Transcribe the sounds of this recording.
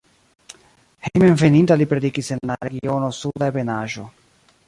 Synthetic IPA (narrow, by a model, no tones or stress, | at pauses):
hejmenvenint̪alipɾed̪ikisenlaɾeɡionosud̪aebenaʒo